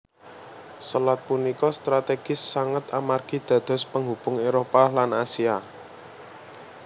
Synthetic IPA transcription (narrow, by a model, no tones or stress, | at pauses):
səlat̪̚punikɔst̪ɾat̪eɡ̥ɪsːaŋət̪amarɡ̥i̤d̪̥ä̤d̪̥ɔ̤spəŋub̥ʊŋeɾopalanasia